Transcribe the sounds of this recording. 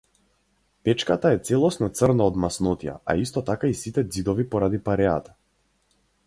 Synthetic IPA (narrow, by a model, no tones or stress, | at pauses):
pɛt͡ʃkat̪aɛt̪sɛlˠɔsnɔt̪srnaɔd̪masnɔt̪ija̰ʔa̰ist̪ɔt̪akaisit̪ɛd̪zid̪ɔvipɔɾad̪ipaɾɛa̰t̪ḁ